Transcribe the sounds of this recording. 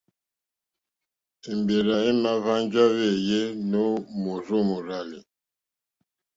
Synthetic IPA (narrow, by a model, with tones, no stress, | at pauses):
e˨mbe˨ɾa˨e˦na˦va˦nd͡ʒa˦βe˦˨je˦no˦mo˨zo˦mo˨ɾa˦˨lḭ˨